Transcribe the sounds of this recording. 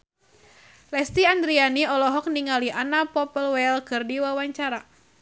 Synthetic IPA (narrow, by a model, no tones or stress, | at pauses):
lɛst̪iand̪ɾianiɔlɔɦɔk̚niŋaliʔanapɔpəlwɛlkɨrdiwawaɲt͡ʃaɾa